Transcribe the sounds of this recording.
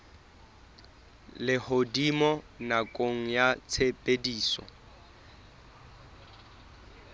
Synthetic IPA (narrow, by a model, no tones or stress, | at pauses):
lɪhodimɔ | nakʼoŋ̩jat͡sʰepʼediːsɔ̰